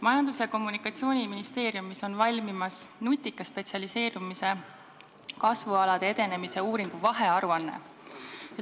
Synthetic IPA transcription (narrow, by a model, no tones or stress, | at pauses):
mɑjɑnd̪̥useko̞mːunikːˑɑt̪sio̞ːnʲiminist̪e̞ːɾjumːiso̞nvɑlʲmimɑsnut̪ʲːˑikːˑɑspe̞t̪siɑlise̞ːɾumise̞ | kɑsvuɑlɑd̪̥ee̞d̪e̞ne̞mise̞uːɾiŋɡ̥uvɑɦe̞ɑɾuɑnːe̞̰